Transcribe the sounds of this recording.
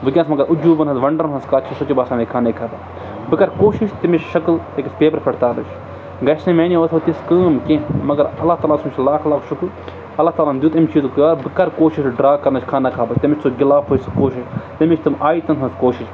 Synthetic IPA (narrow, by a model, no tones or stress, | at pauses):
ʋɨkʲãnsmɐɡɐɾʔʊd͡ʒuːbɐnɦɐnzʋɐɳɖɐɾnɦɐnskaːt͡ʃʰisot͡ʃibaːsaːmekʰaːnekʰaːbɐ | bɨkɐɾkoːʃiʃt̪imit͡ʃʰʃɐklt̪ekʲispeːpɐɾpʰɐɽt̪aːɾnɐt͡ʃʰ | ɡɐsnẽmeːnioːt̪ʰot̪iskəːmkẽmɐɡɐɾɐlːaːɦt̪aːlaːsmʲt͡ʃʰlaːkʰlaːkʰʃʰuku | ɐlːaːt̪aːlamd̪jiuːt̪ɐmʲt͡ʃʰiːt̪kjaːɾbɨkɐɾkoːʃiʃɖɾaːkɐɾnɐt͡ʃʰkʰaːnɐkʰaːbɐt͡ʃt̪ɐmit͡ʃʰʲt͡sʰoɡɪlaːpʰoːiskoːʃiʃt̪ɐmit͡ʃʰt̪umaːit̪ɐnt̪ɦɐnskoːʃiʃ